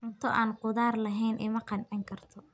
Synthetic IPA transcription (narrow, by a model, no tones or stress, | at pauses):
ʊnt̪ʰɔʔaːnqʊðaːrlɐɦɛjnʔɪ̰mɐqɑnʕɪŋkʰɐrt̪ʰɔ